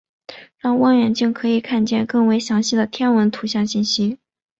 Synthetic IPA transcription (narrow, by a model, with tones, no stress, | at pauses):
ɻɑ˥˧ŋwɑ˥ŋɥɛ˨˩nt͡ɕi˥˩ŋkʰɤ˧˥i˨˩kʰa˥˧nt͡ɕjɛ˥˧nkɤ˥˩ŋwe˧˥ɪɕjɑ˧˥ŋɕi˥˩d̪ə˩t̪ʰjɛ˥nwə˧˥nt̪ʰu˧˥ɕjɑ˥˧ŋɕi˥˩nɕi˥